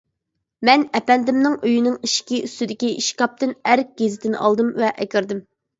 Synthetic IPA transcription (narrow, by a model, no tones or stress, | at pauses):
mɛnɛpɛnd̪ɪmnɪŋøjinɪŋiʃkʲiyst̪ɪd̪ɪkʲiiʃkɑp̚t̪ɨnæɾk̚ʲɡ̥ʲezɪt̪ʰɪn̰ʔɑ̰lˠd̪ɨmvɛʔɛkʲɪɾd̪ɪm